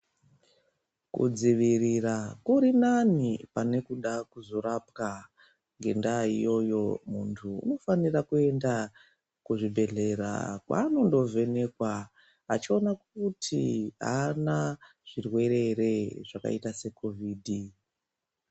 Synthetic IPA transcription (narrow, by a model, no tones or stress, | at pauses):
kṵd͡ziʋirirakuɾinanipane̞kuɗakuzo̞ɾapka | ŋɡe̞̰ndaijo̞jo̞muntʰuṵno̞fanirakue̞nda | kuʐibʱe̞ɮe̞ɾa̰kwa̰ːno̞ndo̞ve̞ne̞kwa | at͡ʃio̞nakutʰḭɦa̰na | ʐ̥irwe̞ɾe̞re̞ʐaka̰itase̞kʰo̞viːdʱi